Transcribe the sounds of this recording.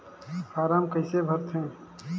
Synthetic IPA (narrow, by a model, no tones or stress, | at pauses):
fʰaːɾaːmkəɪsebʱəɾt̪ʰɦɛ̃ː